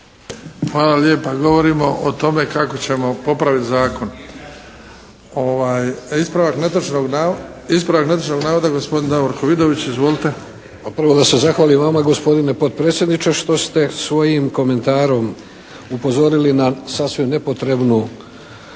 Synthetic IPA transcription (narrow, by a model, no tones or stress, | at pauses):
xʋaːlaljeːpaɡo̞ʋo̞ɾimo̞ʔot̪o̞me̞kakot͡ɕe̞mo̞po̞pɾaʋit̪zaːko̞n | oʋaːjispɾaʋakn | ispɾaʋaknet̪oʃnoɡnaːʋod̪aɡospod̪ind̪aoɾkoʋid̪oʋit͡ɕizʋolit̪e̞ | paprʋo̞d̪ase̞zaxʋaːlimʋamaɡo̞spo̞d̪inepo̞d̪̚pɾet̪sjed̪nit͡ʃeʃt̪o̞st̪e̞sʋo̞jimko̞me̞nt̪aːɾo̞m | upo̞zo̞ɾilinasasʋimne̞po̞t̪ɾe̞bnu